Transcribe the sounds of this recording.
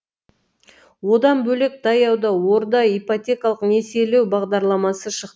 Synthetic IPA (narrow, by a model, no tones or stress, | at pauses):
wo̞d̪ɑnbɵlek̚d̪ʰɑjɑwd̪ɑwo̞ɾd̪ɑijpot̪ʲe̞kɑlˠəqne̞se̞lewbɑʁd̪ɑɾlˠɑmɑsəʃəqt̪ə